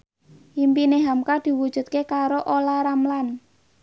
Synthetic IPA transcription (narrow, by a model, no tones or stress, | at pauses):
impineɦamkad̪̥i̤wud̥ʒ̥ṳt̪̚kekaɾoʔolaɾamlan